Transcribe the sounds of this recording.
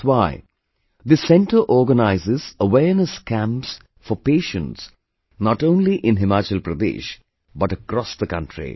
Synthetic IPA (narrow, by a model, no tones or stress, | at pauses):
waɪ | d̪isɛ̃nʈəʔɔːɡənaɪzɪzəʋɛːɾnəskʰæ̃mps | fɔpeːʃə̃ns | nɔʈõːnliʔɪ̃nɦɪmaːt͡ʃəlpɾəd̪ḛːʃ | bʌʈəkɾɔsd̪əkʌ̰̃nʈʰɾḭ